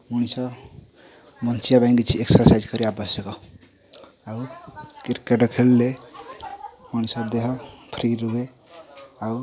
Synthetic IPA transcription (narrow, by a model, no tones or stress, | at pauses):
muñisʌ | mʌnt͡ʃijabajnɖit͡ʃʰieksəɾsaizkʌɾiabʌsjʌkɔ | akiɾkeʈɔkʰelːe | muñisʌd̪eɦɔpʰɾiɾuɡe | au